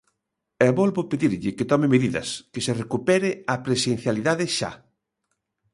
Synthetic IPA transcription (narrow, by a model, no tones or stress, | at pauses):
ɛβɔlβopeðiɾʎɪket̪ɔmɪmeðiðɐ̰skɪserekupɛɾɪɐpɾesen̟θjaliðaðɪʃa̰